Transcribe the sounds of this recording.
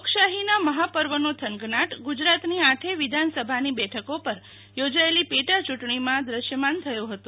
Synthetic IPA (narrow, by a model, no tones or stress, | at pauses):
okʃaɦinaməɦapəɾʋənot̪ʰəŋɡnaʈɡud͡ʒɾat̪niaʈʰeʋɪd̪ʱansəbʱanibɛʈʰəkopəɾ | jod͡ʒaelipeʈat͡ʃuʈɳimãd̪ɾəʃjəmant̪ʰəjoɦət̪ũ